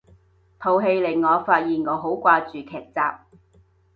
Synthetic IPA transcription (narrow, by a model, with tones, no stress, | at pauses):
t̪ʰo˨˩wɦe˧jlɪ˨˩ŋŋɔː˨˧faː˧t̚jiː˨nŋɔː˨˧ɦo˨˥wkʷaː˧t͡ʃyː˨kʰɛː˨˩k̚t͡saː˧p̚